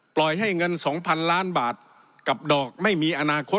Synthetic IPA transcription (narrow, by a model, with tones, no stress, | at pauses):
plɔ˨˩jɦa˥˩jŋɤ˧nsɔː˩˦ŋpʰa˧nlaː˦˥˩nbaː˨˩t̪̚ | ka˨˩p̚dɔː˨˩k̚ma˥˩jmiː˧ʔa˧naː˧kʰo˦˥